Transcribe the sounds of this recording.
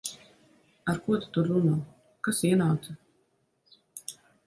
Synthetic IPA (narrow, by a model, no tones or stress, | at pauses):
aɾkuɔt̪u̥t̪uɾunuː | kasiɛnawt̪a